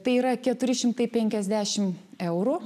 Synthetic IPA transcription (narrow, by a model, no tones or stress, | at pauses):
t̪ɐɪiːɾɐkʲɛt̪ʊɾʲɪʃʲɪmt̪ɐɪpʲɛŋʲkʲɛzʲd̪ʲæːʃʲɪmɛʊɾu